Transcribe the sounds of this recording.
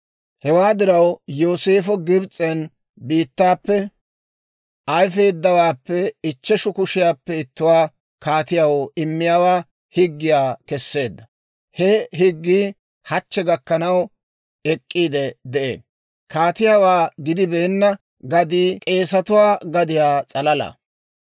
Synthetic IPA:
hɛwaːd̪ɪɾɐwjo̞ːse̞ːfɔɡɪbt͡sʼːɛn | biːt̪ːaːpːɛ | ɐjfeːd̪ːɐwaːpːɛɪt͡ʃːɛʃʊkʊʃɪjaːpːɛɪt̪ːʊwaː | kaːt̪ɪjawoɪmːɪjaːwaː | hɪɡːɪjaːkɛsːe̞ːd̪ːɐ | hɛɦɪɡːiː | hɐt͡ʃːɛɡɐkːɐnɐw | ɛkʼːiːd̪ɛd̪ɛʔḛːn | kaːt̪ɪjaːwaːɡɪd̪ɪbeːnːɐ | ɡɐd̪iːkʼe̞ːsɐt̪ʊwaːɡɐd̪ɪjaːt͡sʼɐlɐlɐ̰

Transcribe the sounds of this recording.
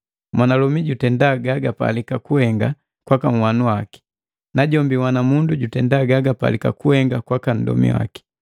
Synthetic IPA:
mwanalɔmiɟutɛndaɡaɡapa̰likakuhɛŋɡa | kwakam̩wanuwaki̥ | naɟɔmbiwanamunduɟutɛndaɡaɡapa̰lika̰kuhɛŋɡakwakan̩dɔ̰mḭwa̰ki̥

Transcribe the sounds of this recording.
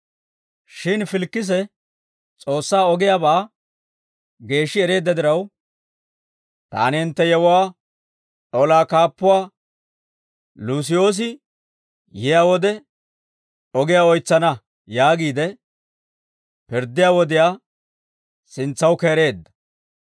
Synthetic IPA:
ʃɪnfɪlkːɪs̬ɛ | t͡sʼo̞ːsːaːɔɡɪjaːbaː | ɡe̞ːʃːɪɛɾe̞ːd̪ːɐd̪ɪɾɐw | t̪a̰ːnɪɪnt̪ːɛjɛwʊwaː | ɔlaːkaːpːʊwaː | luːs̬ɪjo̞ːs̬ɪ | jɪjaːwɔd̪ɛ | ɔɡɪjaːɔjt͡sːɐnɐ | jaːɡiːd̪ɛ | pɪɾd̪ːɪjaːwɔd̪ɪjaː | sɪnt͡sːɐwkeːɾe̞ːd̪ːɐ̥

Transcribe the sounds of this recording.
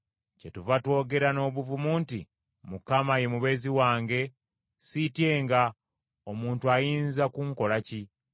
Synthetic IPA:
cetuvatwo̞ːɡe̞ɾano̞ːβuvumuːnti | mukamaje̞muβe̞ːziwaːŋɡe̞ | sitje̞ŋɡa | omuːntuajiːnzakuŋko̞laci

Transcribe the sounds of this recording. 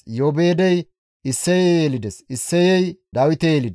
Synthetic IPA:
joːbe̞ːd̪ɛj | ɪsːɛjejeːlɪd̪ɛsɪsːɛjɛjd̪ɐwɪt̪ɛjeːlɪd̪ɛ

